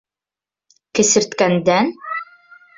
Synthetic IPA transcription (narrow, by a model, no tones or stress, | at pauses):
kɘ̆sɘ̆ɾt̪kænd̪æn